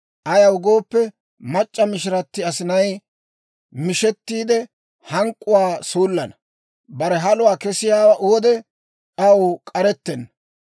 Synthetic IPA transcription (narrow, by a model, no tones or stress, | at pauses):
ʔɐjɐwʊɡo̞ːpːɛ | mɐt͡ʃʼːɐmɪʃɪɾɐt̪ːɪɐsɪnɐj | mɪʃɛt̪ːiːd̪ɛ | hɐŋkʼːʊwaːsuːlːɐnɐ | bɐɾɛɦɐlʊwaːkɛsɪjaːwɐʔoɔd̪ɛ | ʔɐwkʼɐɾɛt̪ːɛnːɐ